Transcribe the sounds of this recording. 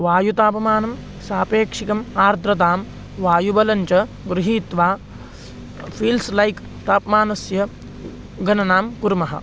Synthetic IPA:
ʋaːjut̪aːpɐmaːnɐm | saːpeːkʂikɐmaːɾd̪ɾɐt̪aːm | ʋaːjubɐlɐɲt͡ʃɐ | ɡɾuɦiːt̪ʋaː | pʰiːlslɐjk | t̪aːpmaːnɐsjɐ | ɡɐnɐnaːmkuɾmɐɦɐ̰

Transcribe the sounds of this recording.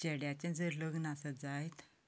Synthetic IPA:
t͡ɕeɽjat͡ɕãd͡zəɾləɡnasət̪̚d͡zajt̪

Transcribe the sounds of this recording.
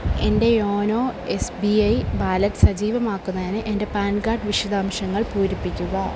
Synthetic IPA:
e̞nde̞jo̞ːno̞ːe̞sbiɐjbaːlɐtːɨ̥sɐd͡ʑiːʋɐmaːkːunːɐðinɨʔe̞nde̞paːnɡaːɖʋiʂɐd̪aːmʂɐŋːɐɭpuːɾipːikʲːuɣɐ

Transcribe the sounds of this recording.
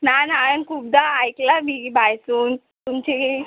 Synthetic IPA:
nanajənkʰub̚d̪aːjklamibʱajsuːn | t̪umt͡ɕe

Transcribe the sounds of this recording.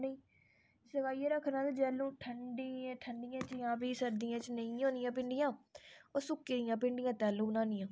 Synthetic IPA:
nəĩː | səkaːieːɾəkʰːnãːt̪ed͡ʒɛːlũːʈʰəɳɖĩːʈʰəɳɖɪjãːt͡ʃjãːbiːsəɾd̪ijãːt͡ʃnəĩːɦõːnɪjãːpɪɳɖɪjãːoːsʊkːeːɪjãːpɪɳɖɪjãːt̪ɛːlũːɡnãːnɪjãː

